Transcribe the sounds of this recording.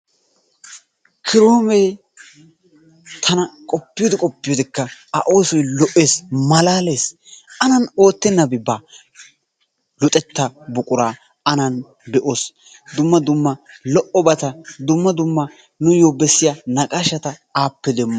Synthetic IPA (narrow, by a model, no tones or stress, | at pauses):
kʰɪɾoːmej | t̪ʰɐnɐkʼɔpːɪjoːd̪ɪkʼɔpːɪjoːd̪ɪkːɐːʔo̞ːsɔjlɔʔe̞ːsmɐlaːle̞ːsɐnɐno̞ːt̪ːɛnːɐbɪbaː | lʊt̪ʼɛt̪ːɐbʊkʼʊɾaː | ɐnɐn | bɛʔoːs | d̪ʊmːɐd̪ʊmːɐlɔʔɔbɐt̪ɐd̪ʊmːɐd̪ʊmːɐ | nʊjoːbɛsːɪjanɐkʼaʃɐt̪ɐaːpːɛd̪ɛmːɐ